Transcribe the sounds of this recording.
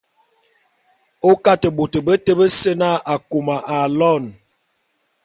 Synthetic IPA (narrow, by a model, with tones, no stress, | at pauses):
o˦ka˦tə˨bo˨tə˨bə˦tə˦bə˦sə˦na˦a˨ku˨ma˨ʔa˨lɔ˦˨n